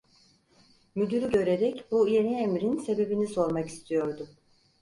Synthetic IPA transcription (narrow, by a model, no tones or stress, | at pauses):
myd̪yɾyɟø̞ɾe̞ɾɛcbuje̞niemɾinse̞be̞binizo̞ɾmaki̥st̪ʰijo̞ɾd̪ʊ